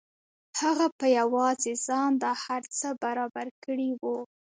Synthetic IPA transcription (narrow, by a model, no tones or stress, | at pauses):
haɣapəjawɑzezɑnd̪ɑhaɾt͡səbaɾɑbaɾkəɽiwu